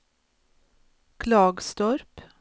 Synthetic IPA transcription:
kʰlɑːɡst̪ɔɾp

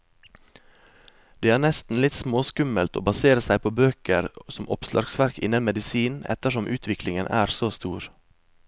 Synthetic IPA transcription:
d̪̥eːæːnɛst̪n̩lɪt̪smoːskʉməlt̪o̰ːbɑseːɾəsæɪpʰoːbøːkəɾsɔmʔɔpslʔɑ̰ɾɡsʋæɾkɪ̰nənmɛd̪ɪsiːnɛ̰t̪əʃɔmʔʉːt̪ʰʋɪklɪŋənʔæ̰ːɾsoːst̪uːɾ

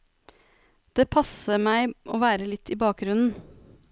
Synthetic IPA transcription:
d̪̥eːpʰɑsəmæɪʔoːʋæːɾəlɪt̪ʰːiːbɑːk̚ɡɾʉnn̩

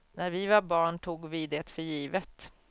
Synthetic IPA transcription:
næɾvɪvɑɾbɑːɳʈ̪ʰuːɡvɪd̪eːt̪fœɾjiːvət̪

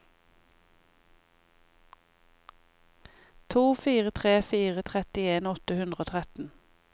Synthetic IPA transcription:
t̪ʰuːfiːʁət̪ʰʁeːfiːʁət̪ʰʁɛt̪ɪeːnɔt̪əhʉnd̪ʁəoːt̪ʰʁɛt̪n̩

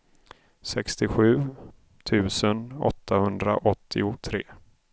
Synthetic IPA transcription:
sɛkst̪ɪɧʉ̟ː | t̪ʰʉ̟ːsənɔ̰t̪ʰːahɵnd̪ɾaʔɔt̪ʰːɪʊt̪ʰɾeː

